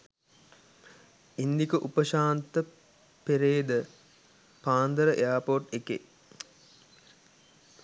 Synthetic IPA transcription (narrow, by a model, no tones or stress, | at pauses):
ind̪ikəʔupəʃaːnt̪ə | peɾeːd̪ə | paːnd̪əɾəʔḛaːpoːʈekḛ